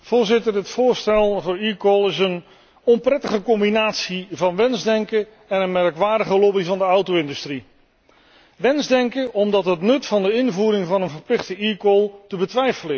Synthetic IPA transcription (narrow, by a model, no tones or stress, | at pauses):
v̥ʊːɹzɪtəɹɦətfʊːɹstɛlˠvʊːɹikolˠɪsən | ɔmprɛtəχəkɔmbinaːtsivɑnʋɛnzdɛŋkə | ɛnənmɛrkʋaːɹdəχəlɔbivɑndəʌwtoɪndystri | ʋɛnzdɛŋkəʔɔmdɑtɦətnɵtfɑndəɪnvuːɾɪŋvɑnənvəɹplɪχtəikolˠtəbətʋɛjfəlɪ